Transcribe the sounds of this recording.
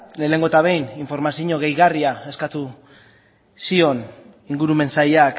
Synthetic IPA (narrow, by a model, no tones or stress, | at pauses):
le̞ːne̞ŋɡo̞t̪aβ̞e̞jniɱfo̞ɾmasiɲo̞ɣe̞jɣariae̞skat̪u | sio̞n | iŋɡuɾume̞nsajak